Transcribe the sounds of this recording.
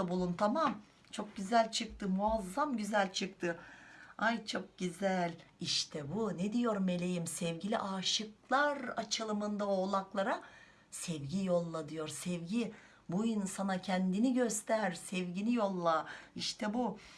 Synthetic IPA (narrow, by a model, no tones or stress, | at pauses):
abulˠunt̪ʰamam | t͡ʃʰo̞k̚ɟyzælʲt͡ʃʰɯk̚t̪ʰɯmuazːamɟyzælʲt͡ʃʰɯk̚t̪ʰɯ | ajt͡ʃʰo̞k̚ɟyzælʲ | iʃt̪ʰɛbuned̪ijo̞ɾme̞lʲe̞jimsɛvɟilʲiʔaːʃɯklˠaɾat͡ʃʰɯlˠɯmɯnd̪avɛolˠaklˠaɾa | sɛvɟijo̞lˠːad̪ijo̞ɾsɛvɟi | buinsanacʰɛnd̪iniɟøst̪ʰæɾsɛvɟinijo̞lˠːaiʃt̪ʰɛbu